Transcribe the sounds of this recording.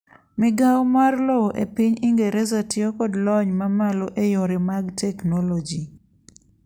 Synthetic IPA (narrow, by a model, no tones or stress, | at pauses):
mɪɡawmarlɔʔḛpiɲɪŋɡeɾezatɪokɔdlɔɲmamaloʔejoɾemaɡtɛknɔlɔd͡ʒi